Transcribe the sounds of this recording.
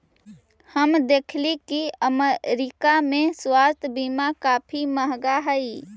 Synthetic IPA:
həmd̪eːkʰlikiəmɾɪkamẽswaːst̪ʰbiːmakaːpʰiməɦɡaɦəi

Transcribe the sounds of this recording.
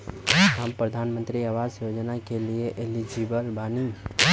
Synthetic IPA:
ampɾəd̪ʱanmənt̪ɾiəʋazjod͡ʒnakelieʔelid͡ʒibəlbanĩ

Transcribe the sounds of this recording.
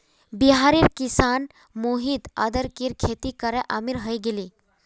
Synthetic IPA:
biɦaɾiːɾkisan | moɦid̪a̰d̪əɾkiːɾkʰet̪ikəɾɛʔamiɾɦəjɡeli

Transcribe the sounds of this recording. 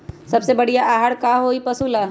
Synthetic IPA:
sɐbsebɐɽijaʔaːɦaɽkaɦoipɐsula

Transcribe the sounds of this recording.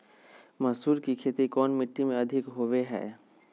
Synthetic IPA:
mɐsuːɾkikʰeːt̪ikɔːnmɪʈːimẽɐd̪ʱɪkɦoːʋeɦɛ̰ː

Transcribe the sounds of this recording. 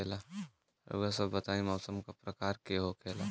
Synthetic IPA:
ela | o̰ɡəsəbːət̪aːĩmɔːsəmkapɾɐkaːɾkeɦokʰeːla

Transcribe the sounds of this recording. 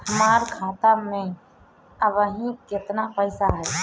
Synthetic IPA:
həmaɾkʰaːt̪amẽ | əbəɦĩkɪt̪napəjsaɦɛ

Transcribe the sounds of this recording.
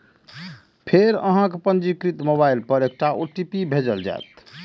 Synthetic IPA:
pʰeɾə̰ɦãkepənd͡ʒikɾit̪mobajlpəɾek̚ʈaʔoʈipibʱed͡ʒəld͡ʒa̰et̪

